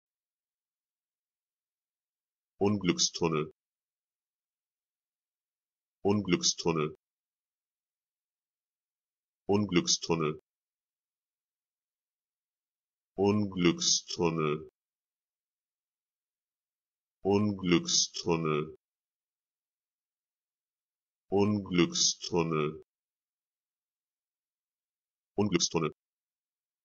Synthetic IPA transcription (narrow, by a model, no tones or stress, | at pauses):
ʔʊnɡlʏkstʰɔnə | ʔʊnɡlʏkstʰɔnə | ʔʊnɡlʏkstʰɔnə | ʔʊnɡlʏkstʰʊnə | ʔʊnɡlkstʰʊnə | ʔʊnɡlʏkstʰʊnə | ʔʊnɡlʏkst̪ʰʊnə